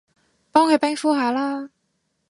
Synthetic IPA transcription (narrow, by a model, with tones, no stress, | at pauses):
pɑ˥ŋxwe˥˩ɪpa˥nfu˥xa˧˥lə˧